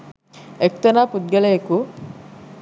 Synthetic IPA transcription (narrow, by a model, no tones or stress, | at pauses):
ek̚t̪ɐnaːpud̪̚ɡɐleeku